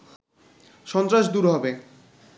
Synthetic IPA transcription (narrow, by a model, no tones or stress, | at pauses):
ʃɔnt̪ɾaʃd̪uɾɦɔbe